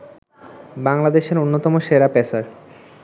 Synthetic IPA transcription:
baŋlad̪eʃeɾonːot̪ɔmoʃeɾapesaɾ

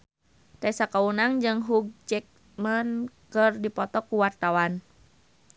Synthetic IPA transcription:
t̪ɛsakaunaŋd͡ʒɨŋɦuɡ̚d͡ʒɛk̚ | mənkɨrdipɔt̪ɔkuwart̪awan

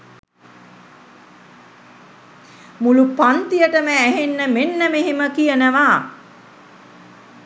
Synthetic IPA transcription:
mulupant̪ijəʈəməːɦenːəmenːəmeɦeməkijənəʋaː

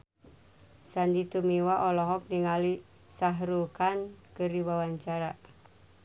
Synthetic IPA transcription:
sandit̪umiwaʔɔlɔɦɔk̚niŋali | saɦɾukankɨɾiwawaɲt͡ʃaɾa

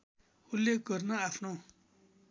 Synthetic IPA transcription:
hulːeɡʌrnʌapʰno

